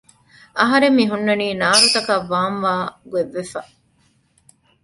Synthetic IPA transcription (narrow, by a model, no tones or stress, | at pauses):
ɐɦɐɾemːiɦunːɐniːnaːɾut̪ɐkɐʋːaːnʋaːɡueʋːefɐ